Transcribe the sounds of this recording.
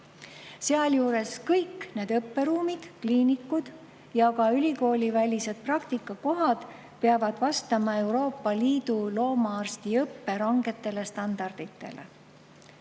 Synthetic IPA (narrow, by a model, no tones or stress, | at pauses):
se̞ɑljuːɾe̞skɤjkːne̞ːd̪̥ɤpːe̞ɾuːmid̪̥kliːnikːud̪̥ | jɑkɑylʲiko̞ːlʲivælʲise̞d̪̥̚prɑkt̪ikːˑɑko̞ɦɑd̪̥ | peɑvɑd̪̥vɑst̪ɑmɑe̞wɾo̞ːpːɑliːd̪̥ulo̞ːmɑɑrst̪iɤpːe̞ɾɑŋɡe̞t̪ːe̞le̞st̪ɑnd̪̥ɑrd̪̥it̪ːe̞̰lḛ